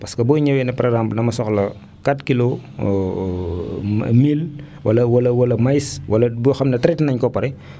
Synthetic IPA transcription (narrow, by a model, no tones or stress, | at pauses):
pɐskɐbujɲɐwɛnɐpɐɾɛɡzamplnɐmɐsɔxlɐ | katkilo | mil | wʔɐlɐwɐlɐwɐlɐmɐjswɐlɐbujxɐmnɐtɾɛtnɐɲkɔpːɐɾɛ